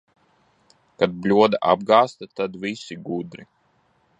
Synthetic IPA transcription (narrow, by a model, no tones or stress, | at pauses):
kad̪̚blʲuɔd̪aʔa̰b̚ɡaːst̪at̪ad̪vʲisiɡud̪ɾi